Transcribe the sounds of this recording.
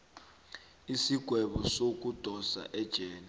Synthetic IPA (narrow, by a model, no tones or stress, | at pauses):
isiɡ̥ʱwɛɓɔsok̬ʼud̥ʱɔsa̰ʔɛd̥ʒ̥ʱɛːna